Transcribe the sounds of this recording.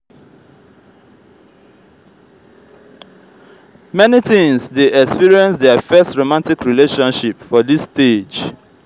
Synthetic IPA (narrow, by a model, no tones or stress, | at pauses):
mɛnitĩŋsdeʔɛkspiɹiɛ̃nsdɛəfɜstɹomãntikɹileʃɔ̃nʃipfɔdisted͡ʒ